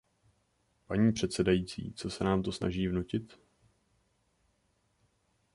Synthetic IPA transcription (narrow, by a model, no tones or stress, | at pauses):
paɲiːpr̝̥ɛt̪sɛdajiːt͡sḭːt͡so̞sɛnaːmt̪o̞sna̰ʒiːvnucɪt̪